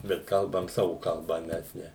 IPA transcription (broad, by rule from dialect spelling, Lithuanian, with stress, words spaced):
bʲɛt ˈkɐlˠbɐm ˈsɑːʋʊ kɐˈlˠbɐ ˈmʲɛs nʲɛ